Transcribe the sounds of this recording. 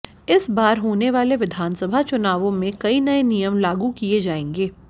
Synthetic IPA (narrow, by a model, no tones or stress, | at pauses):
ɪsbaːɾɦoːneʋaːleʋɪd̪ʱaːnsəbʱat͡ʃʊnaːʋõmẽkɐinɐenijəmlaːɡukied͡ʒaːẽːŋɡeː